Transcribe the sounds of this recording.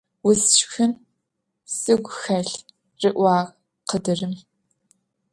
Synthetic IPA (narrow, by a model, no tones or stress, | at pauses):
wʊsʃxɨn | sɨɡʷxɐɬ | rɨʔʷɑːʁ | qədɨrɨm